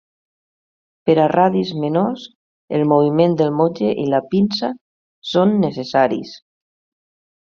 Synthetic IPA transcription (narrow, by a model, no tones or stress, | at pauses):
pəɾaraðizmenos | elˠmoβ̞imend̪əlmod͡ʒeʔilapinsa | sonːesesaɾḭs